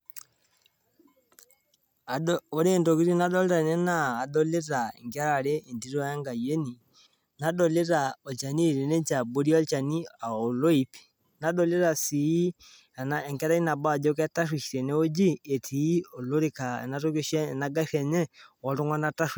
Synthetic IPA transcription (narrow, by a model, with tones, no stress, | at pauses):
a˨o˦ɾe˦ndo˨ki˦ɾi˦na˦dɔ˦le˦ɾa˨ne˦naː˦˨dɔ˦le˦ɾa˨ḛ˨ŋɡɛ˦ɾaɾeː˦˨ndi˦ɾɔ˦ja˦ŋɡa˨je˦ni˨ | na˨dɔ˨le˦ɾa˨o˨t͡ʃa˨ni˦˨ɾe˨ne˦t͡ʃa˨bo˦ɾi˦ɔ˦t͡ʃa˨ni˦a˨o˨lo˦i˨pi̥ | na˦dɔ˦le˦ɾa˨si˨˦ | a˨na˨ɛ˨ŋɡa˦ɾa˦i˦na˨ba˦˨d͡ʒɔ˦kɛ˦ta˦ʃwi˨ʃi˨ɾɛ˨ne˦o˦d͡ʒi˦e˨tʰiː˨˦o˨lo˦ɾe˦ka˨ḛ˨nato˦ke˦ʃɛ˦naɡa˦ʃɛ˨ɲɛ˦wɔ˨to˦ŋwa˦na˦ta˦ʃ